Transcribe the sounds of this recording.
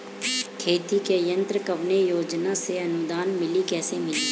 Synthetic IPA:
kʰeːt̪ikejə̃nt̪ɾəkɐʋnejoːd͡ʒnaseɐnʊd̪aːnmɪlikɛːsemɪli

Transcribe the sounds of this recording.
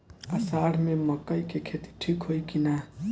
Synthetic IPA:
əsaɽ̤meməkəjkekʰet̪i̥ʈʰikɦojkina

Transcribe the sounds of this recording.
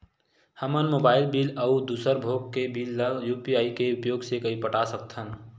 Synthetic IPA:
həmənmoːbaːɪlbiːləʊd̪uːsəɾbʱoːɡkebiːlːəɡjuːpiaːikeʊpjoːɡsekəipəʈasək̚t̪ʰɦən

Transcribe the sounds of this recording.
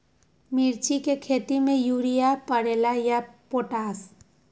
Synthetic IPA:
miɾt͡ʃikekʰet̪imẽjuɾijapəɽelajapoʈaːs

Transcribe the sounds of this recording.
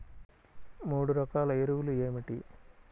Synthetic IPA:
muːɽuɾɐkaːlɐeɾuʋulueːmiʈi

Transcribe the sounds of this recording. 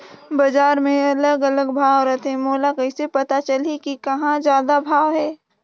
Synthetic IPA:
bɐd͡ʒaːɾmẽɐləɡɐləɡbʱaːʋɾət̪ẽmoːlakɐɪsepɐt̪at͡ʃɐlikikɐɦãzjaːd̪abʱaːʋɦɛː

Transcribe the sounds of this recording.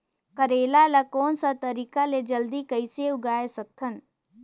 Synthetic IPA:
kəɾeːlalɐkɔːnsat̪ɐɾiːkaled͡ʒɐld̪ikɐiseʊɡaːesɐk̚t̪ʰən

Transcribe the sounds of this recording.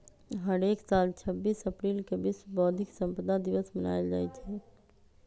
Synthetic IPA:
ɦəɾeːksaːlt͡ʃʰəbːiːsəpɾilkebisbɔːd̪ʱɪksə̃mpəd̪ad̪iʋəsməna̰ːeld͡ʒa̰ːjt͡ʃʰɛ

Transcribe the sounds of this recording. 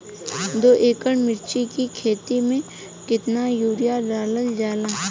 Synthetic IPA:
d̪oːʔeːkəɽmɪɾt͡ʃikikʰeːt̪imẽ | kɪt̪najuːɾijaɾaːləld͡ʒaːlãː

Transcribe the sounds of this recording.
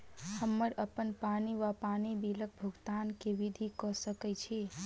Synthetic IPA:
həmːəɾəpənpaniʋapanibilək̚bʱuɡt̪ankeʋid̪ʱikɔsəkɛt͡ʃʰi

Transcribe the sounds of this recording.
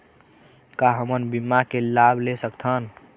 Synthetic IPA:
kaɦəmənbimːakelabʱlesəkt̪ʰən

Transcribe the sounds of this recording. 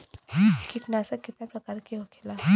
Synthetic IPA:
kiknasakɪt̪napɾɐkaːɾkiɦokʰela

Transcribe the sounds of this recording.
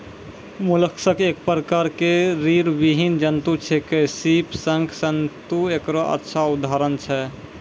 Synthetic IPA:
muləksəkek̚pɾəkaɾkeɾiɾbiɦind͡ʒənt̪ut͡ʃʰekesipsəŋɡʰsənt̪uekɾɔʔə̰tːʃʰaud̪aɾənt͡ʃʰɛ

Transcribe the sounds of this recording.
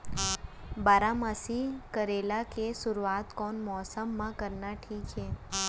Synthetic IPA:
baɾamasikəɾelakesʊɾuat̪kɔnmɔsəmːãkəɾnaʈʰiːkɦe

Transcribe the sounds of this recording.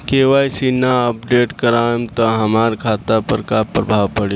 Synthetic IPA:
keʋaːjsinaəp̚ɖeːʈkəɾamt̪ɔɦəmaːɾkʰaːt̪apəɾkapɾəbʱaʋpəɽe

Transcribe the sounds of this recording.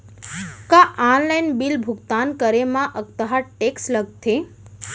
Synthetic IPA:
kaʔanlajnbilbʱʊɡt̪ankəɾemãʔək̚t̪əɦaʈeksləɡ̚t̪ʰe

